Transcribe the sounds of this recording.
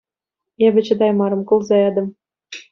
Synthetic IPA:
eβʲɘ̆t͡ɕɘ̆d̪ɑjmɑɾɤ̆mkŭlˠzɑed̪ɤ̆m

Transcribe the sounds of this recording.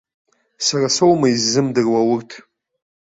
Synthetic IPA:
sarasowmaizːɨmdɨrwawʊrtʰ

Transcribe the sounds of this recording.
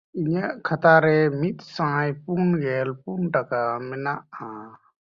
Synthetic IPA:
iɲaʔkʰat̪aɾɛmit̪̚ˀsãɦãjpunɡɛlpunʈakamɛnaʔa

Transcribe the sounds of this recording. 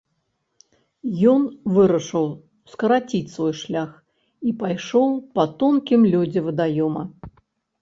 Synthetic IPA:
jɔnvɨɾɐʂɨw | skɐɾat͡sʲit͡sʲsvɔjʂlʲax | ipajʂɔwpɐt̪ɔnkʲimlʲɔd͡zʲɛvɨd̪ajɔmɐ

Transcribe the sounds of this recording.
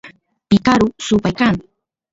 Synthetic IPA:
pɪkaɾʊsʊpajkaŋ

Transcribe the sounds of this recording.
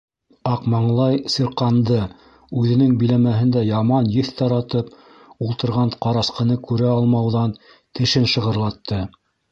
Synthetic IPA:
ɑqmɑɴlˠɑjsiɾqɑnd̪ɤ | ʉðɘ̆nɘŋbĭlæmæɦɘ̆nd̪æjɑmɑnjɘθt̪ɑɾɑt̪ɤp̚ | ulˠt̪ɤ̆ɾʁɑɴqɑɾɑsqɤ̆nɤkʉɾæɑlˠmɑwðɑn | t̪ɘ̆ʃɘnʃɤ̆ʁɤ̆ɾlˠɑt̪ːɤ

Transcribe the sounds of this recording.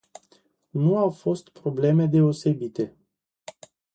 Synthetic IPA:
nuawfo̞st̪pɾo̞ble̞me̞d̪e̞o̞se̞bit̪e̞

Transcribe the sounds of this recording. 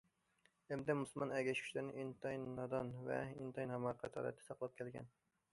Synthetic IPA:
ɛmd̪ɛmuslˠmɑnɛɡʲɛʃkʰy̥t͡ʃlæɾnɪ̰ʔint̪ʰɑjnːɑd̪ɑnvɛ̰int̪ʰɑjnhɑmɑqʰɑt̪ʰɑ̰ɾɛ̰t̪ʰːɛ̥sɑqlˠɑp̚kʲʰɛlɡʲɛ̰n

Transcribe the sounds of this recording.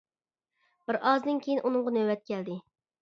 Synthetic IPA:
b̥ɪɾʔɑzd̪ɪnkʲʰejinʔunɨŋʁɑnøwɛt̪̚kʲɛld̪ɪ

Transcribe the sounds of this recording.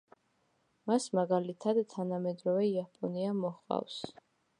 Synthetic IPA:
masmaɡalit̪ʰad̪t̪ʰanamɛd̪ɾɔvɛiapʼɔniamɔχa̰fs

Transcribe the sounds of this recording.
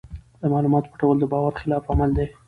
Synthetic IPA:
d̪̥əmɑlumɑt̪o̥pəʈawəld̪əbɑwaɾxɪlɑfamald̪e

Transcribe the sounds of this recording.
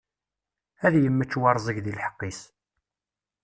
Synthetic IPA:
æðjəmːət͡ʃːwɑɾˤzˤəʝðilħə̥qːis

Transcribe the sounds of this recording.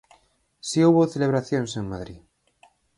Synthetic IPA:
siuβoθeleβ̞ɾaθjõnseŋmaðɾḭ

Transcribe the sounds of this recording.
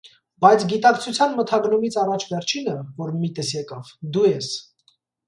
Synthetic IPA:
bɑjt͡sʰɡit̪ɑkt͡sʰut͡sʰjɑnmət̪ʰɑɡnumit͡sʰɑrɑt͡ʃʰvɛɾt͡ʃʰinəvɔɾmit̪ɛsjɛkɑv̥d̪ujɛs

